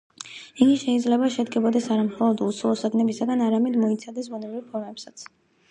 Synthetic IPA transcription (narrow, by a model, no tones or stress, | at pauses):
iɡiʃɛid̪zlɛbaʃɛd̪ɡɛbɔd̪ɛsaɾamχɔlˠɔd̪usʰulˠɔsad̪nɛbisaɡanaɾamɛd̪mɔit̪sʰad̪ɛsbunɛbɾiɾpʰɔɾmɛpsat̪sʰ